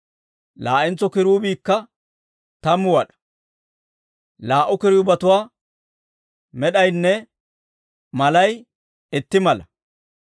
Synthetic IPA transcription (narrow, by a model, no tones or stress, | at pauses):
laːʔɪnt͡sɔkɪɾuːbiːkːɐ | t̪ɐmːʊwɐɗɐ̥ | laːʔʊkɪɾɪjʊbɐt̪ʊwaː | mɛɗɐjnːɛ | mɐlɐj | ɪt̪ːɪmɐlɐ